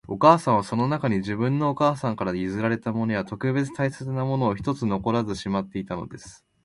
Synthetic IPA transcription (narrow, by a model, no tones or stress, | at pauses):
o̞kaːsãɰ̃βaso̞no̞nakaɲ̟iʑibɯ̟̃nːo̞ːkaːsãŋkaɾaizɨɾaɾe̞t̪amo̞no̞jat̪o̞kɯ̟be̞t͡sɨ̥t̪aiset͡sɨnamo̞no̞ːçi̥t̪o̞t͡sɨno̞ko̞ɾazɨɕimat̪ːe̞it̪ano̞̰d̪esɨ̥